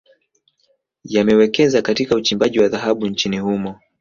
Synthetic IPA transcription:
jamɛwɛkɛzakatikaut͡ʃimbaʄiwaðaɦaɓunt͡ʃinihumɔ

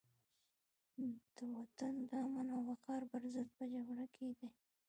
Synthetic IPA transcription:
d̪̥əwat̪and̪aamanawaqɑɾbəɾzəd̪̚pəd͡ʒaɡɽakʰed̪e

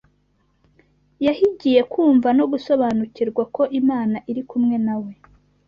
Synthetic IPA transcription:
jahiɟije̞kuːɱvano̞ɡuso̞βaːnuciɾɡwako̞ʔimaːnaʔiɾikumŋe̞nawe̞

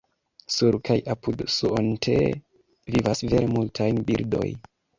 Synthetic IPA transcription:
suɾkʰajʔapudsuʔontʰḛ | vivasve̞ɾemultʰajnbiɾdo̞̰j

